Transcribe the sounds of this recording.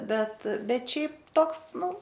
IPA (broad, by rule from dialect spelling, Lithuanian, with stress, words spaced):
ˈbʲɛt ˈbʲɛt ˈʃʲɛɪp ˈtoːks ˈnʊ